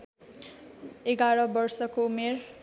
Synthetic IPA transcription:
eɡaɾʌbʌrsʌkoumer

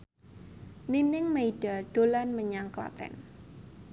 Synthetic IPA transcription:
ninɪŋmeiɖ̥aɖ̥olanməɲaŋkla̰t̪ɛ̰n

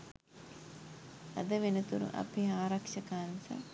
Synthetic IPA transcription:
ɐ̰d̪əʋenət̪uɾṵʔɐ̰peːaːɾɐkʂɐkaːnsa̰

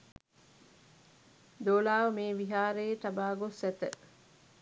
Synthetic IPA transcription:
d̪oːlaːʋɐmeːʋiɦaːɾeːt̪ɐbaːɡosɛt̪ə

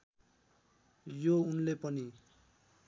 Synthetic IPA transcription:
jounlepʌni

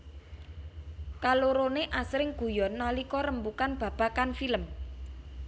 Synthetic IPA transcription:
kaloɾoneʔasɾɪŋɡ̥ṳjɔnːalikɔɾəmbukanb̥ä̤b̥a̤kanfiləm

